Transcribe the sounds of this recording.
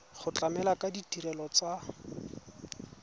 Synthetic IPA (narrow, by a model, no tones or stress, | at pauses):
χʊt͡ɬʼamɛlakʼaditiɾɛlɔt͡sa